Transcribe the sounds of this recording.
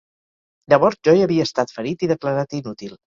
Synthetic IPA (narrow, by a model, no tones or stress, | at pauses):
d̪əβɔɾt̪ʒɔiəβiəːst̪at̪fəɾit̪iðəkləɾat̪inut̪ilˠ